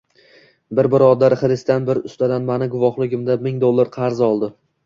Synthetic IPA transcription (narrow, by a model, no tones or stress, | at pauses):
bɪɾbɪɾɒd̪aɾχɪɾɪst̪anbɪɾʊst̪ad̪anmanɪɡʊvɒχlˠɪɡʲɪmd̪amɪŋd̪olˠːaɾqʰɑɾzɒlˠd̪ɪ